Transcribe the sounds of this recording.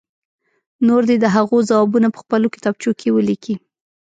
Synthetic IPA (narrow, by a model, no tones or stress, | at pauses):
noɾd̪ed̪əɦaɣozawɑbunapə̥xpəlokɪ̥t̪ɑb̚t͡ʃokʰewəlikʰi